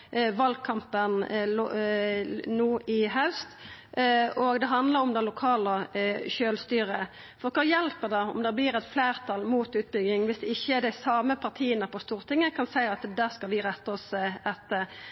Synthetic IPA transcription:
ʋɑlɡ̚kʰɑmpənl | nuːʔɪɦɑʉst̪ | ɔɡd̪ɛɦɑnd̪ləɾɔmd̪ɛnlʊkʰɑːləʃøːlst̪yːɾə | fɔɾkʰɔɾjɛlpəd̪ɑɔ̰md̪ɛblɪɾɛt̪fleːʁt̪ʰɑlmuːt̪ʉːt̪̚bʏɡɪŋʋɪsd̪ɛɪçːəd̪æɪsɑːməpʰɑʁt̪ʰiːənəpʰɔst̪uːʁt̪ʰɪŋːəkʰɑnsæɪɑt̪d̪æːskɑʋɪɾɛt̪ːəɔsɛt̪ːə

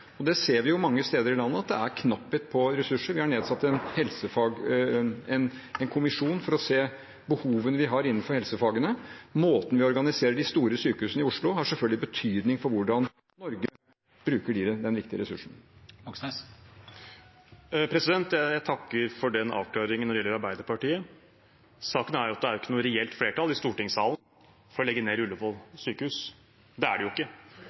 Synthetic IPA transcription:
ɔd̪ɛseːɾʋɪjʊmɑŋːəst̪eːd̪əɾɪlɑnːəɑt̪̚d̪ɛ̰æɾkʰnɑpːət̪̚pʰɔɾɛsʉʂəɾʋɪhɑɳeːd̪sɑt̪ːɛnhɛlsəfɑːɡ | ɛn | ɛnkʰʊmɪʂuːnfɔɾɔseː | bəhuːʋənəʋɪɦɑɾɪnːənfɔɾhɛlsəfɑːɡənəmoːt̪n̩ʋɪɔɾɡɑnɪseːɾəɖɪst̪uːɾəsyːkəhʉːsənəɪʊʂɭʊɦɑʂɛlfœlɡlɪbət̪ʰyːd̪nɪŋfɔɾʋʊɖɑnː | ɔɾɡə | b̥ɾʉːkəɖiːɾəd̪ɛnʋɪkt̪ɪəɾɛsʉʂɳ̩ | pʰɾɛsɪd̪ɛnt̪jæjæt̪ʰɑkːəɾfɔɖɛnɑ̰ːʋkʰlɑːɾɪŋənːɔɾɪɛlːəɾɑɾbæɪd̪əɾpɑʈiːə | sɑːkənæɾjʊɑt̪d̪ɛæɾʊɪkːənʊːɾɛɛlt̪fleːʈɑlɪst̪uːʈɪŋsɑ̰ːlən | fɔɾɔlɛɡːəneːɾʉlːəpʰɔsyːkəhʉːs | d̪ɛæ̰ɖɛjʊɪkːə

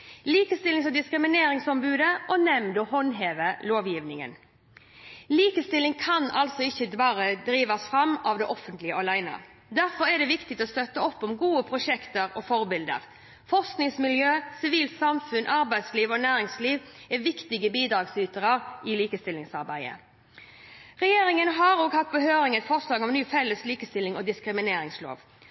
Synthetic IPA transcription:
liːkəst̪ɪlɪŋsɔd̪ɪskɾɪmɪneːɾɪŋsɔmbʉːd̪əʔɔnɛmd̪ɔɦɔnɦeːʋəloːʋjiːʋnɪŋə̰n | liːkəst̪ɪlɪŋkʰɑnɑ̰lsɔɪçəd̪bɑːʁəd̪ɾiːʋɑsfɾɑmːɑʋd̪ɛʔɔfːənt̪lɪəʔɔlæɪnə̰ | d̪æɾfɔɾɛd̪ɛʋɪkt̪ɪt̪ɔst̪œt̪ːəɔpːɔmɡuːəpʰʁʊʃɛkt̪əɾɔfɔɾbɪld̪ə̰ʁ | fɔʁsknɪŋsmɪljøːsɪʋiːlt̪sɑmfʉnʔɑɾbæɪd̪sliːʋɔnæːɾɪŋsliːʋɛʋɪkt̪ɪɡəbiːd̪ɾɑːɡsyːt̪əʁəʁɪliːkəst̪ɪlːɪŋsɑʁbæɪə̰ | ʁɛjeːɾɪŋənɦɑɾoːɡhɑt̪̚bəhøːɾɪŋɛt̪fɔʁʂlɑːɡɔmnyːfɛlːəsliːkəst̪ɪlːɪŋɔd̪ɪskɾɪmɪneːɾɪŋslo̰ːʋ

